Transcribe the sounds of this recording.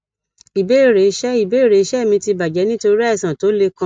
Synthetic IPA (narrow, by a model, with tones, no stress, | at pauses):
i˨be˦˨ɾe˨˧˦ʃɛ˦i˨be˨˦˨ɾe˨i˦ʃɛ˦˨mĩ˧ti˧ba˨d͡ʒɛ˨˦nĩ˦to˧˦ɾi˦ɛ˦˨sã˨to˨˦le˧kã˧˦